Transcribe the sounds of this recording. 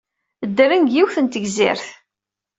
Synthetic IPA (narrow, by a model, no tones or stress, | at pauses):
əd̪ːərinɡjiwθənt̪əɡzɪ̰ɾθ